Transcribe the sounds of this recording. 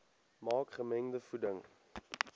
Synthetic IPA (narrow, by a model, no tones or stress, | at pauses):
mɑːkχəmɛŋdəfudəŋ